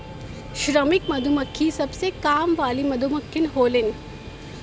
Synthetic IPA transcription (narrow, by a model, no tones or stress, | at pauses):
ʃɾəmɪkmɐd̪ʱumɐkʰːisɐbsekaːmʋaːlimɐd̪ʱumɐkʰːɪnɦoːlɪn